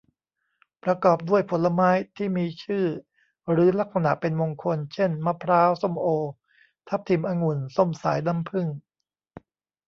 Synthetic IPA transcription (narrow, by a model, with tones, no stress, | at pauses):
pɾa˧kɔː˨˩p̚du˥˩əjpʰo˩˦nla˧maː˦˥jt̪ʰiː˥˩miː˧t͡ɕʰɯː˥˩ | ɾɯː˩˦la˦˥k̚sa˧na˨˩ʔpe˧nmo˧ŋkʰo˧nt͡ɕʰe˥˩nma˦˥pʰɾaː˦˥wso˥˩mʔoː˧ | t̪ʰa˦˥p̚t̪ʰi˨˩˦mʔaː˧ŋu˨˩nso˥˩msa̰ː˩˦jna˦˥mpʰɯ˥˩ŋ